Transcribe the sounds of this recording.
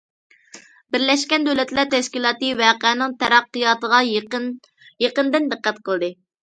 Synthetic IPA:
bɪɾlɛʃkʲɛnd̪øwlɛt̪læɾt̪ɛʃkʲilˠɑːt̪ɨvæqænɨŋt̪ʰɛɾɑqːɨjɑːt̪əʁɑ | jeqənd̪ɨnd̪ɨqːæt̪qʰəlˠd̪ɨ

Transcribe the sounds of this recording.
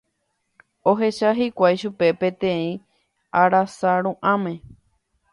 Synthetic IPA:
o̞ɦe̞ʃaɦikʷajʃupe̞pẽ̞t̪ẽĩ | aɾasaɾũʔãmẽ̞

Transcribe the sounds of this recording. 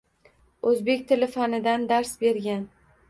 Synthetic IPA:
ɵzbe̞kʲt̪ʰɪlɪfanɪd̪and̪aɾsbe̞ɾɡʲan

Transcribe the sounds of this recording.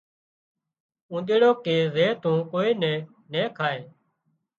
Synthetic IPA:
ũːɗ̪eːɽoːkeːzeːt̪ũːkoːiːnɛ̃ː | nɛ̃ːkʰaːeː

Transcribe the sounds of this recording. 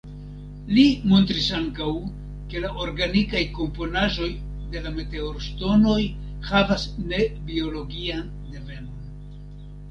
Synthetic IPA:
limo̞ntɾisaŋkaw | ke̞laʔo̞ɾɡanikajko̞mpo̞naʒo̞j | de̞lame̞te̞oɾsto̞no̞j | havasne̞bio̞lo̞ɡian | de̞ve̞no̞n

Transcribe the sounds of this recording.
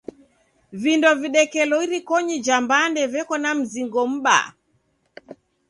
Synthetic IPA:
vindɔviɗɛkɛlɔiɾikɔɲid͡ʒambandɛvɛkɔnam̩ziŋɡɔm̩ɓa̰

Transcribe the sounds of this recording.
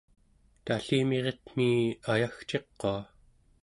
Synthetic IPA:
t̪aɬiːme̞ʁet̪m̥iajaxt͡ʃe̞qːoa

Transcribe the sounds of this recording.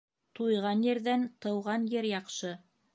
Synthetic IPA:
t̪ujʁɑnjɘ̆ɾðænt̪ɤ̆wʁɑnjɘɾjɑqʃɤ

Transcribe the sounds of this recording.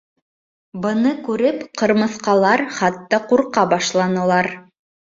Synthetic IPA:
bɤ̆nɤkʉɾɘpqɤ̆ɾmɤ̆θqɑlˠɑɾχɑt̪ːɑquɾqɑbɑʃlˠɑnɤ̆lˠɑɾ

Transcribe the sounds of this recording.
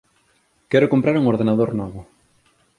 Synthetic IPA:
kɛɾʊkompɾaɾuŋoɾðenaðoɾnɔβʊ

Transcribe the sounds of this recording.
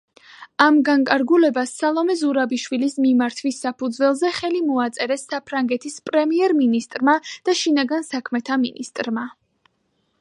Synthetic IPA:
amɡaŋkʼaɾɡulɛbasːalˠɔmɛzuɾabiʃwilismimaɾt̪ʰwisːapʰud̪zwɛlˠzɛχɛlimɔat̪sʼɛɾɛsːapʰɾaŋɡɛt̪ʰispʼɾɛmiɛɾminist̪ʼɾmad̪̥aʃinaɡansakʰmɛt̪ʰamḭnist̪ʼɾma

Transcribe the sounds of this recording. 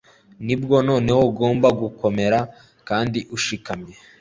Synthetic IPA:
nibɡo̞no̞ːne̞woɡo̞ːmbaɡuko̞me̞ɾa | kaːndiʔuʃikamɲe

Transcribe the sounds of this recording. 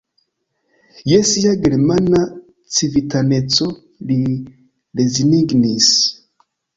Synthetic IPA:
jesijaɡiɾemana | t͡sivitanet͡so | li | leziniɡnis

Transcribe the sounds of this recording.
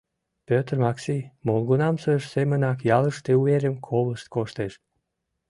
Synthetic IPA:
pʲøt̪rmɑksimolɡonɑmsəʃsemənɑkjɑləʃt̪euveɾʲəmkʰoβləʃt̪̚koʃt̪eʃ

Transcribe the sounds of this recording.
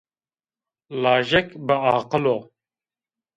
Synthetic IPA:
lɑːʒɛkbəɑːqəlo

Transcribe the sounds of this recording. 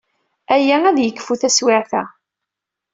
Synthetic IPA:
æjææðjəkːfuθæswɪʕθæ

